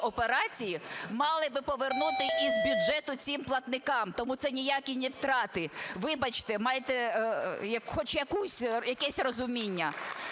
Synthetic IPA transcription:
ɔpeɾɑt͡sʲijimɑlˠɪbɪpɔʋernut̪ɪʔizbʲjʊdʒɛt̪ʊt͡sʲimplˠɐt̪nɪkɑmt̪ɔmut̪sɛnʲijakʲinʲɪwt̪ɾɑt̪ɪʋɪbɐt͡ʃt̪ɛmɑjet̪ɛjɐkxɔt͡ʃjɐkusʲjɐkɛsʲrɔzʊmʲinʲːɐ

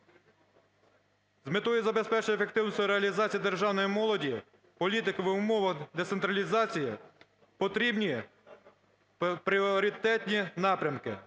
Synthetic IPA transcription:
zmɪt̪ɔjizɐbespɛt͡ʃɪefe̞kt̪ɪwnsʲt̪ʲʊɾeɐlʲizɑt͡sʲijid̪erʒɑwnɔjimɔlˠɔdʲi | pɔlʲit̪ɪkɐʋɪʊmɔʋɐɣd̪esent̪ɾɐlʲizɑt͡sʲiji | pɔt̪ɾʲibnʲi | pɾʲɪɔɔɾʲit̪ɛt̪ʲnʲinɑpɾʲɐmkɪ̰

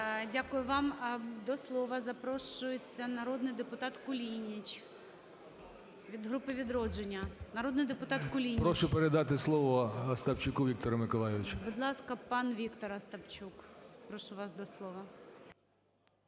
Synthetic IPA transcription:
dʲakʊjʊʋɑmd̪ɔslˠɔʋɐzɐpɾɔʃʊjet͡sʲːɐnɐɾɔd̪nɪjd̪epʊt̪ɑt̪kʊlʲinʲit͡ʃ | ʋʲid̪ɦɾupɪʋʲid̪ɾɔd͡ʒenʲːɐnɐɾɔd̪nɪjd̪epʊt̪ɑt̪kʊlʲinʲpɾɔʃʊpeɾed̪ɑt̪ɪslˠɔʋɔɐst̪ɐpt͡ʃʊkʊʋʲikt̪ɔɾɐmɪkɔlˠajɪʋʲɪt͡ʃɐbʊd̪lˠɑskɐpɑnʋʲikt̪ɔɾɐst̪ɐpt͡ʃukpɾɔʃʊʋɑsd̪ɔslˠɔʋɐ

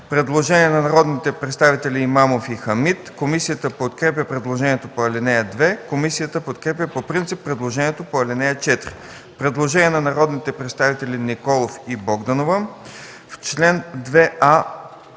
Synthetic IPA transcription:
pɾɛd̪lˠoʒɛniɛnɐnɐɾɔd̪nit̪ɛpɾɛt̪st̪avit̪ɛlʲiːmamofixɐmit̪komisijət̪əpot̪kɾɛpʲjəpɾɛd̪lˠoʒɛnʲiɛt̪opoɐlɛnɛjəd̪vɛkomisijət̪əpot̪kɾɛpʲjəpopɾint̪sipːɾɛd̪lˠoʒɛniɛt̪opoɐlʲɛnɛjət͡ʃɛt̪ɾi | pɾɛd̪lˠoʒɛniɛnɐnɐɾɔd̪nit̪ɛpɾɛt̪st̪avit̪ɛlinikɔlˠofibɔɡd̪ɐnovə | ft͡ʃlɛnd̪vɛa

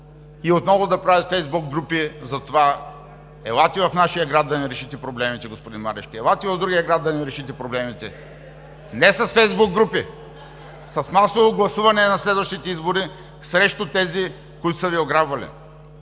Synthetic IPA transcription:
iot̪nɔvʊd̪ɐpɾavʲit̪fɛjzbukɡɾupizɐt̪ova | ɛlˠat̪ivɐfnaʃijɐɡɾad̪d̪ɐnɛɾɛʃit̪ɛpɾoblɛmit̪ɛɡospʊd̪inmaɾɛ̰ʃkiɛlˠat̪ivɐvd̪ɾuɡʲijəɡɾad̪ɐnɛɾɛʃit̪ɛpɾoblɛmit̪ɛ̰ | nɛsɐsfɛjzbuk̚ːɾupi | sɐsmasovoɡlˠɐsuvɐnɛnɐslɛd̪vɐʃt̪it̪ɛizboɾi | sɾɛʃt̪ʊt̪ɛzi | kʊit̪o̥sɐvioɡɾabvɐlḭ

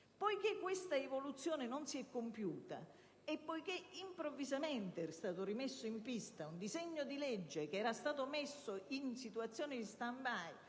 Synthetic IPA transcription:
pɔjkekːwest̪aevolut̪sːjɔːnenonsiɛkːompjuːt̪a̰ | epːojk̟eimpɾovːizamɛnt̪eɛɾst̪aːt̪ʊɾimesːoimpist̪aund̪izɛɲːod̪ilɛd͡ʒːek̟eɛːɾast̪aːt̪omesːoinsit̪uat̪sːjɔːnɪd̪ist̪ambaj

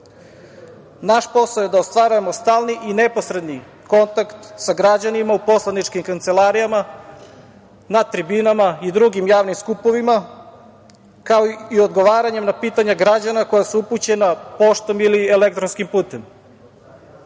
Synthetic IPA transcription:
naʃpo̞saoje̞d̪aost̪ʋaɾuje̞mo̞st̪aːlniʔine̞po̞sɾe̞d̪ni | ko̞nt̪akt̪saɡɾad͡ʑanimaupo̞slˠanit͡ʃkimkant̪selaɾijama | nat̪ɾibinamaid̪ɾuɡimjaːʋnimskupo̞ʋima | kaoio̞d̪ɡo̞ʋaːɾaɲe̞mnapiːt̪aɲaɡɾad͡ʑanako̞jasuuput͡ɕe̞napo̞ʃt̪o̞miliele̞k̚t̪ɾonskimpuːt̪e̞m

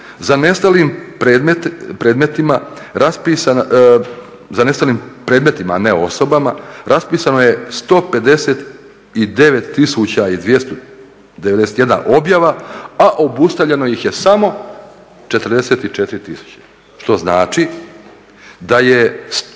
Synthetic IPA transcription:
zane̞st̪alimpɾeːd̪met̪pɾeːd̪me̞t̪imaɾaspiːsan | zane̞st̪aliːmpɾeːd̪me̞t̪imaane̞o̞so̞bamaɾʔaspiːsano̞je̞st̪o̞ːpe̞d̪e̞set̪ | id̪e̞ʋe̞t̪ːisut͡ɕaid̪ʋje̞st̪o | d̪eʋed̪eset̪je̞d̪na̰ʔo̞bjaʋaaʔo̞bust̪aʋʎe̞no̞jixje̞samo̞ | t͡ʃe̞t̪ɾd̪e̞se̞ːt̪it͡ʃe̞t̪iɾit̪isu̥t͡ɕḁ | ʃt̪o̞znaːt͡ʃi | d̪aje̞s

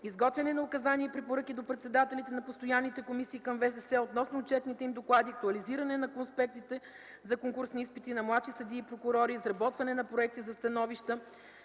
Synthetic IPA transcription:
izɡɔt̪vʲɛnɛnɐʊkɐzanʲiɛpɾɛpoɾɤkid̪opɾɛt̪sɛd̪at̪ɛlit̪ɛnɐpost̪ojanːit̪ɛkomisiːkɐmvɛsɛsɛot̪nɔsnʊːt͡ʃɛt̪nit̪ɛimd̪oklˠad̪iɐk̚t̪uɐliziɾɐnɛnɐkonspɛk̚t̪it̪ɛ | zɐkoŋkuɾsniispit̪inɐmlˠaʃisɐd̪iːpɾokʊɾɔɾizɾɐbɔt̪vɐnɛnɐpɾoɛk̚t̪izɐst̪ɐnɔviʃt̪ə

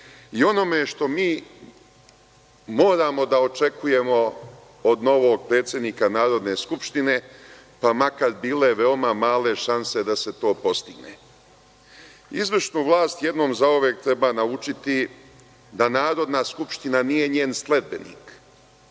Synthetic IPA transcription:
io̞no̞meʃt̪o̞miː | mo̞ːɾaːmo̞d̪ao̞t͡ʃe̞kʰuje̞mo̞ | od̪no̞ʋoːɡ̚pɾe̞ːt̪sʲje̞d̪niːkanaːɾo̞d̪ne̞ːskupʃt̪ine̞ | pamakaɾbiːle̞ʋe̞omamaːle̞ʃanse̞d̪ase̞t̪o̞ːpo̞st̪iɡne | izʋrʃnuːʋlˠaːst̪je̞d̪no̞ːmzaoʋeːkt̪ɾe̞baːnaut͡ʃit̪i | d̪anaːɾo̞d̪naskupʃt̪inanije̞ɲeːnsle̞d̪̚be̞nḭːk

